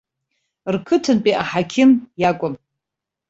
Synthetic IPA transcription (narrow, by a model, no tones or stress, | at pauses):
rkʰɨtʰɨnpʼiʔaħakʲʰɪnjakʷʼʊm